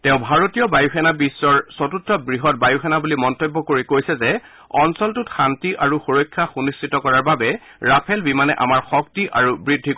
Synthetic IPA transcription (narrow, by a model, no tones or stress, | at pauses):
tɛʊ̃bʱaɹotijɔbajuxɛnabisːɔɹsɔtutɹɔbɹiɦɔt̚bajuxɛnabulimɔntobːɔkoɹikojsɛzɛ | ɔnsɔltʊtxantiʔaɹuxoɹɔkʰːaxunistitɔkɔɹaɹbabɛ | ɹapʰɛlbimanɛʔa̰maɹxɔk̚tiʔa̰ɹubɹidʱːik